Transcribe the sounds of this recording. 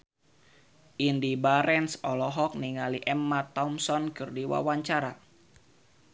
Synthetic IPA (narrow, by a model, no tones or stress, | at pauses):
ʔindibaɾɛnsɔlɔɦɔk̚niŋaliʔɛmːat̪ɔmsɔnkɨrdiwa̰waɲt͡ʃaɾa